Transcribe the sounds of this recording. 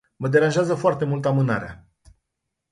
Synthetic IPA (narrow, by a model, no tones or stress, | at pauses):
məd̪e̞ɾanʒeazəfoart̪e̞mult̪amɨna̰ɾea̰